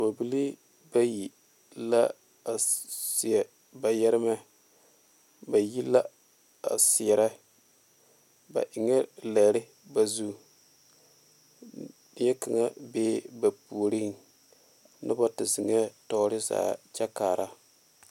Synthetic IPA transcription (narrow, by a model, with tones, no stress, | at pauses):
bo˨bi˦li˦ | ba˦ji˨ | la˦ | a˨sɪ˨ɛ˨ | ba˨jɛ˦ɾɪ˦ma˦ | ba˨ji˦lːa˦ | a̰˨sɪ˨ɛ˨ɾa˦ | ba̰˨ʔɪ˨ŋɛ˦la˨ɾɪ˦ | ba˨zu˦˨ | nɪ˦jɛ˦ka˨ŋa˦beː˦ba˨pu˨ɾi˦n˨ | nɨ˦ba˦tɪ˨zɪ˨ŋa˦tɔ˨˦ɾɪ˦za̰ː˨t͡ʃa˦kaː˨ɾa˦